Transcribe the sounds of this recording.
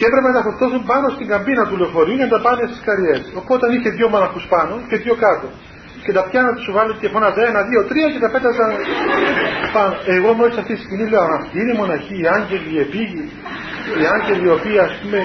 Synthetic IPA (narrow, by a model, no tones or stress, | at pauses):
ceepɾepenɐt̪ɐfoɾt̪o̞sumpɐno̞st̪iŋɡɐmbinɐt̪uleofo̞ɾiucenɐt̪ɐpɐnest̪i̥skɐɾʝe̞sopot̪eɐniçe̞ðʝo̞monɐxuspɐno̞ce̞ðjo̞kɐt̪o̞ | cet̪ɐpçɐnɐt̪ɐsuvɐlit̪ilefonɐzenɐðio̞t̪ɾiɐcet̪ɐpe̞t̪ɐsɐn | pɐnoeɣomoisɐft̪isiscimnileɐmɐft̪iinemo̞nɐçiːɐɲɟe̞liepiʝi | iɐɲɟe̞lio̞piɐːspume̞